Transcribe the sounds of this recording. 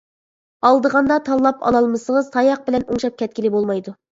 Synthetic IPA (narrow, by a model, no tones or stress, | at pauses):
ɑlˠd̪əʁɑnd̪ɑt̪ʰɑlˠːɑpʰɑ̰lˠɑlˠmɨsəŋəzt̪ʰɑjɑq̚bɪlɛnuŋʃɑp̚kʲʰɛt̪̚kʲilɪbolˠmɑjd̪u